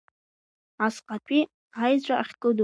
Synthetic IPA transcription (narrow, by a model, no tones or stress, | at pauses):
asqʼatʷʼi | ajd͡ʑʷʼaaχʲkʼɨdu